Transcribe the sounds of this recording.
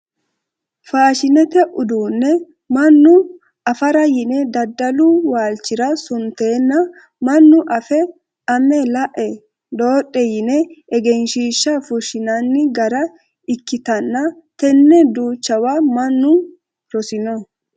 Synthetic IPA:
faːʃɪnɛt̪ɛʔʊd̪uːnːɛ | mɐnːʊ | ʔɐfɐɾɐjɪnɛd̪ɐd̪ːɐlʊwaːlt͡ʃːɪɾɐsʊnt̪e̞ːnːɐ | mɐnːʊʔɐfɛ | ɐmɛlɐʔɛ | d̪o̞ːɗʼɛjɪnɛʔːɡɛnʃiːʃːɐfʊʃɪnɐnːɪɡɐɾɐ | ɪkːɪt̪ɐnːɐt̪ɛnːɛd̪uːt͡ʃːɐwamɐnːʊ | ɾɔsɪnɔ

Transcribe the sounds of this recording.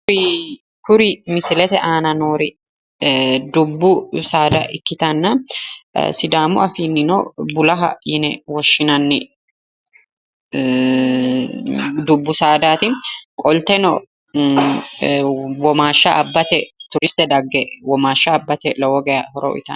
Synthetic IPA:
kʊɾɪmɪsɪlɛt̪ɛʔaːnɐnoːɾɪ | d̪ʊbːʊsaːd̪ɐʔɪkːɪt̪ɐnːɐ̰ | sɪd̪aːmʊɐfiːnːɪnɔbʊlɐɦɐ̰jɪnɛwɔʃːɪnɐnːɪ | d̪ʊbːʊsaːd̪aːt̪ɪkʼɔlt̪ɛnɔ̰ | wɔmaːʃːaʔɐbːɐt̪ɛt̪ʊɾɪst̪ɛd̪ɐɡːɛwɔmaːʃːaːbːɐt̪ɛlɔwɔɡɛjɐhɔɾɔ̰ʔɪ̰t̪ɐn

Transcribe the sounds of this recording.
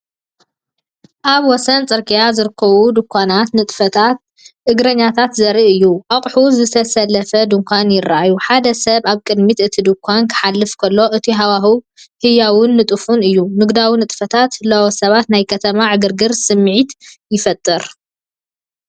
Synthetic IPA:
ʔaβwɔsɐnt͡sʼɨɾkʼijazɨɾɨkʰːɐβud̪ɨkʰʷːanat̪nɨt̪ʼfɐt̪ʰat̪̚ | ʔɨɡɾɐɲːat̪ʰat̪zɐɾiʔɨjːuʔaχʼħuzɨt̪ʰɐsɐlːɐfɐd̪ɨŋkʷanjɪrːaajuħad̪ɐsɐβaβkʼɨd̪mit̪ɨt̪ʰid̪ɨkʰʷːankʰɨ̥ħalːɨfkʰɐlːo̞ʔɨt̪ʰiɦawahu | hɨjawʊnːɨt̪ʼɨfunɨjːunɨɡd̪awinɨt̪ʼfɐt̪ʰat̪lɐwosɐβat̪najkʰɐt̪ʰɐmaʕɨɡɨɾɡɨɾsɨmːʕit̪jɪfɐt̪ʼːɨɾ

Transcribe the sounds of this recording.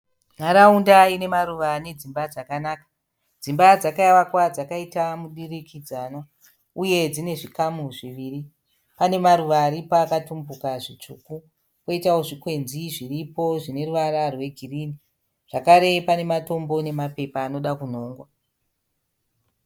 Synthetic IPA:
maɾaundaine̞maɾuʋane̞d͡zimbad͡zakanaːkḁ | d͡zimbad͡zakaiwakwad͡zakaitamuɗirikid͡zano | uje̞d͡zine̞ʐikamuʐiʋiːri | pane̞maɾuʋaːɾipaːkatumbukaʐit͡ʂuːku | koitao̞ʐikwe̞nziʐiripo̞ʐine̞ruʋaɾarwe̞ɡʱiriːni | ʐ̥akaɾe̞pane̞mato̞mbo̞ne̞mape̞paːno̞ɗakun̤o̞ːŋɡwa

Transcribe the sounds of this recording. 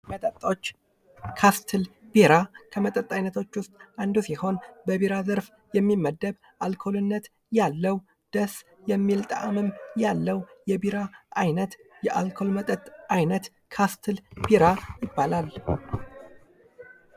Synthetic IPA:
mət̪ʼət̪ʼot͡ʃː | kʰast̪ʰɨlb̥iɾakʰəmət̪ʼət̪ʼːajnət̪ʰo̞t͡ʃːwʊst̪ʼand̪usiho̞nbəβiɾazəɾf | jɛmːimːəd̪ːəβ | ʔalkʰo̞lɨnːət̪ | jalːəw | d̪̥əs | jɛmːilt̪ʼa̰ʔamɨmjalːəwjɛbiɾaʔajnət̪jɛʔalkʰo̞lmət̪ʼət̪ʼajnət̪ | kʰast̪ʰɨlbiɾajɪbːalal

